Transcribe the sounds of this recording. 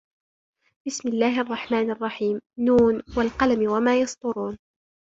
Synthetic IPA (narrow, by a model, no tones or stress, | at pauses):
b̥ɪsmɪlːaːhʔɑrˤːɑħmaːnʔɑrˤːɑħiːmnuːnwalqɑlamwamaːjɑsˤd̪ʊɾuːn